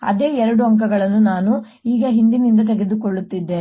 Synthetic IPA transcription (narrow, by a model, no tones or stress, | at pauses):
ɐ̰d̪e̞ːɛɾɐɽuɐŋkɐɡɐɭɐnːunaːnu | iːɡɐɦind̪inind̪ɐt̪ɛɡe̞d̪ukoɭːut̪ːid̪ːeː